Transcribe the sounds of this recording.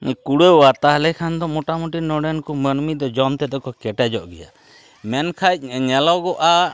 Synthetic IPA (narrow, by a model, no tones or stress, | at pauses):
kuɽeat̪aɦlɛkʰand̪ɔmɔʈamuʈinɔɽɛnkumənmid̪ɔd͡ʒɔmt̪ɛd̪ɔkɔkɛʈɛd͡ʒɔʔɡɛ̰ja̰ | mɛnkʰac̚ˀɲɛlɔɡɔʔa